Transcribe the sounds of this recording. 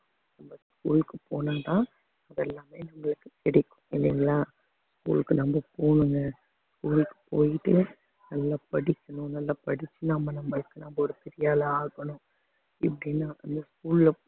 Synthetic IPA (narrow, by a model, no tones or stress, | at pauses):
nɐmbɐskuːlkːɯpoːnaːt̪ãː | ɐðɛlːaːmeːnɐmːɐɭɯkːɯ̥tɛɽɪkːʊ̥̃ɛniŋɡɐɭaː | skṵːlkːɯnɐmbɐpoːɳɯŋɡɐ | skuːlkːɯ̥poːjɪʈːɯ | nɐlːapɐɽɪkːɐɳʊ̃nɐlːɐpɐɽɪt͡ʃːɯnɐmːɐnɐmːɐɭɯkːɯnɐmbɐɔɾɯpɛɾɪjaːlɐaːɣɐɳʊ̃ | ɪpːɐɽɪnːaːʔɐnd̪ɐskuːllɐ